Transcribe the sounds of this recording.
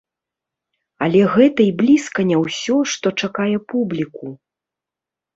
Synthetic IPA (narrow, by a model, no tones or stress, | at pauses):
ɐlʲɛɣɛt̪ɐiblʲiskɐnʲɛwsʲɔʂt̪ɔt͡ʂakajɛpublʲiku